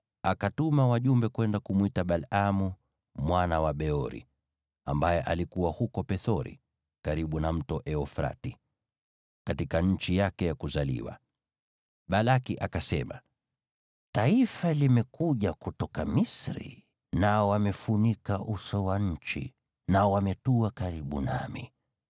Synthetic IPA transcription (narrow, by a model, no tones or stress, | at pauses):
akatumawaʄumbɛkwɛndakumwitaɓalamu | mwanawaɓɛɔɾḭ | a̰mbajɛʔalikuwahukɔpɛθɔɾḭ | kaɾiɓunam̩tɔʔɛɔfɾa̰ti | katikaɲ̩t͡ʃijakɛjakuzalḭwa̰ | ɓalakiʔakasɛma | taifalimɛkuʄakutɔkamisɾḭ | naɔwamɛfunikaʔusɔwaɲ̩t͡ʃḭ | naɔwamɛtuakaɾiɓṵna̰mḭ